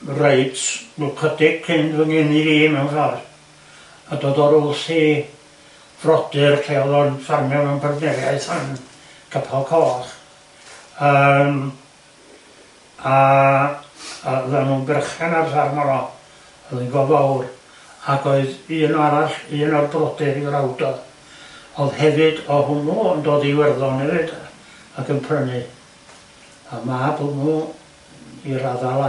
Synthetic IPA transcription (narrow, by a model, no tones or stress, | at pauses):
reɨdslˠkʰədɪɡ̥̚kʰɪndvəŋɪniɾiːmɛwnsɔr | adoːdɔɾʊlˠɬiː | v̥rɔd̥ɨrkʰeɔðɔnsarmjɔmɛwnpʰarvnɛrjaɨθan | kʰəpʰalˠkʰɔːχ | əm | a | ðɛmunbɛrχɛnarsarmaɾɔ | əlˠinɡɔvawr | aɡoɨðiənaɾaɬiənɔrbrɔdɪɾirawdɔð | ɔðhɛvɨdɔhʊnuəndoːdiwɛrðɔnɛvɨd | əɡəmpʰrənɨ | amabomu | iɾaðalˠa